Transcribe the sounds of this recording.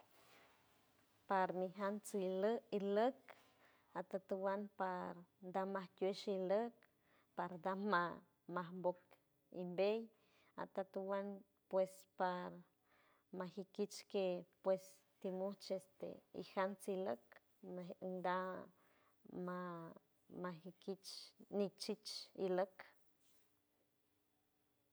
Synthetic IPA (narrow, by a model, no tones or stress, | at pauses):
paɾmiɦant͡siləilək | at̪at̪uwanpaɾd̪amahtʲueʃilək̚ | paɾd̪ama | maɦmbok | ḭmbej | a̰t̪at̪uwan | pwespaɾ | mahikit͡ʃkepwes | t̪imuht͡ʃest̪ḛḭhant͡silək | nd̪a | ma | mahikit͡ʃnit͡ʃit͡ʃilək